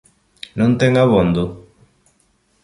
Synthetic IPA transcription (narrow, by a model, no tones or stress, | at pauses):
nõnt̪eŋaβond̪u